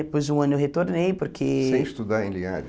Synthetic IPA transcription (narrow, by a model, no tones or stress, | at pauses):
epojzd͡ʒũɐ̃nʊewɦet̪oɾnejpoɾkʰesẽjst̪ud̪aɾẽj̃lia̰ɾ